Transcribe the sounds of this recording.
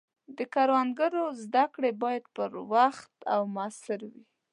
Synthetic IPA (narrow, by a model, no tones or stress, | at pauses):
d̪əkɑɾwanɡaɾozd̪akɽebɑjad̪̚pəɾwaxt̪awmɑsɪɾwi